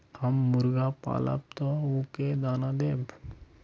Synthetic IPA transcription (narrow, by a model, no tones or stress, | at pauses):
həmːʊɾɡapa̰ːlə̰p̚t̪ouːked̪aːnad̪eːb